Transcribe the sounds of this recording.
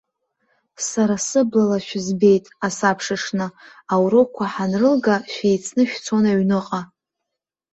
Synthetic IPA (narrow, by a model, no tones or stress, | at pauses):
saɾasɨblalaʃᶣɪzbe̞jtʼasapʰʂaʂnɨ | awɾokʷʰaħanrɨlɡaʃᶣejt͡sʰnɨʃᶣt͡sʰonaɥnɨqʼa